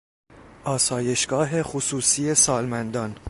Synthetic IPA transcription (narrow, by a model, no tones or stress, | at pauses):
ʔɒːsɒːje̞ʃɡ̥ɒːɦe̞xosuːsiːe̞sɒːlmænd̪ɒːn